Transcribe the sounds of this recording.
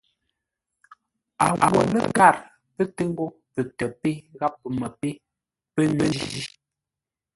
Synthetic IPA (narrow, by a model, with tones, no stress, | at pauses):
a˨a̰˨wə̰˨lə̰˦ɡa˦˨ɾ | pə˦tə˦ŋ˦ɡo˦ | pə˨tə˨pe˦ɣa˦pːə˨mə˨pe˦ | pə˦nwə˦ḭ˦zi˦